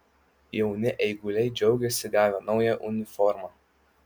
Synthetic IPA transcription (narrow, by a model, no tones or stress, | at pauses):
jɛʊnʲɪʔɛɪɡʊlʲɛɪd͡ʒʲɛʊɡʲɛsʲɪɡɑːʋʲɛnɒʊjɛʔʊnʲɪfɔɾmɑː